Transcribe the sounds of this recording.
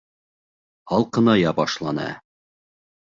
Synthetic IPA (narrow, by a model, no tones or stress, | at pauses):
hɒlˠqɤ̆nɑjɑbɒʃlˠɑnɑ̰